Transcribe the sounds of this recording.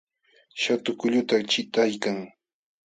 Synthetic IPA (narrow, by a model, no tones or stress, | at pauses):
ʃat̪ʊkʊʎʊt̪at͡ʃɪt̪ajkaŋ